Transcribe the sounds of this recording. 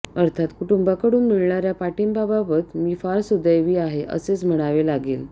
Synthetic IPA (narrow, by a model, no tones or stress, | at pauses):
əɾt̪ʰat̪kuʈumbakəɽuːnmiɭɳaɾjapaʈinbababət̪miːfaɾsud̪ʱəjʋiːaɦeʔə̰set͡sm̤əɽ̃aʋelaɡeːl